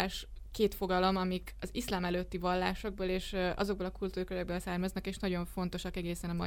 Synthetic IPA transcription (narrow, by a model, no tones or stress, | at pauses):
ʃkeːt̪fo̞ɡɒlo̞mɒmikɒzislaːmɛløːt̪ːivɒlːaːʃo̞ɡ̚boleːʃʔɒ̰zo̞ɡbolɒkult̪uːrkøɾɛɡ̚bøːlsarmɒznɒkeːʃnɒɟo̞ɱfo̞n̪t̪o̞ʃɒkɛɡeːsɛnɒmɒ̰